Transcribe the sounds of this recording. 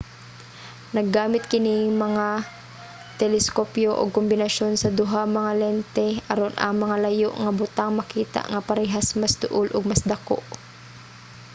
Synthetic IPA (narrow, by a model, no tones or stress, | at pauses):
nɐɡːaːmɪt̪̚kɪnɪŋmɐŋa | t̪ɛlɛskopjoʔo̰ɡ̚kʊmbɪnɐʃonsɐd̪ʊɦamɐŋalɛnt̪ɛʔɐɾonʔɐ̰ŋmɐŋalɐjoʔŋɐbʊt̪aŋmɐkiːt̪a̰ʔŋɐpɐɾɛɦasmasd̪ʊʔʊlʔʊɡ̚masd̪ɐko̰ʔ